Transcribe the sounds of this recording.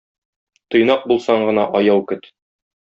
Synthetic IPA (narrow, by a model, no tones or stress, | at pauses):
t̪ŏjnɑq̚bulˠsɑɴɢɤ̆nɑʔɒjɑwkɵt̪